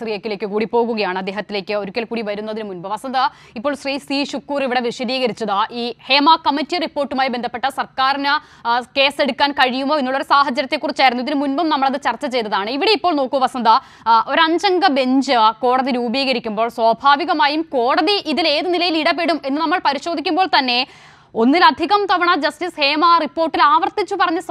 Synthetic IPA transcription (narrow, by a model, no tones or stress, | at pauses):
riːjekʲːile̞ːkːɨkuːɽipːo̞ːɣuɣɐjaːɳɨɐd̪ːeːɦɐt̪ːile̞ːkʲːɨoɾukʲːelkuːɽiʋɐɾunːɐðinɨmunbɐʋɐsɐnd̪ɐ | ipːoːɭsriːsriːɕukːuːriʋiɽe̞ʋiʂɐd̪iːɣɐɾit͡ɕːɐðaʔiːhe̞ːmaːkɐmːɐtːiripːo̞ːrʈːumaːjbend̪ʱɐpːe̞ʈːɐsɐrkaːrinɨ | ke̞ːse̞ɽukːaːnkɐɻijumoːenːuːɭːoɾsaːɦɐd͡ʑːɐɾɐt̪ːe̞kːurit͡ɕːaːjiɾunːuiðinɨmunbɐmnɐmːɐɭɐðɨt͡ɕɐrt͡ɕːɐt͡ɕe̞jt̪ːɐðaːɳɨiʋiɽeipːo̞ːɭnoːkːuʋɐsɐnd̪ɐ | o̞ɾɐɲd͡ʑɐŋɡɐbe̞ɲd͡ʑɨko̞ːɽɐðiɾuːbiːɣɐɾikʲːumbo̞ːɭswɐːbʱaːʋiɣɐmaːjumko̞ːɽɐðiʔiðile̞ːðɨnilɐjiliɽɐbeɽume̞nːɨnɐmːɐɭpɐɾiɕo̞ːd̪ʱikʲːumboːɭt̪ɐnːe̞ | o̞nːilɐd̪ʱiɣɐmt̪ɐʋɐɳɐd͡ʑɐstisheːmaːripːo̞ːrʈːilaːʋɐrt̪it͡ɕːupɐrɐɲːɐs